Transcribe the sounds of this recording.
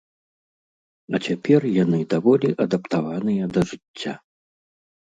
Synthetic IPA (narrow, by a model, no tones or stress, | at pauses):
ɐt͡sʲapʲɛrjanɨd̪avɔlʲiʔɐd̪ɐpt̪avanɨjɐd̪ɐʐɨt͡sʲːa̰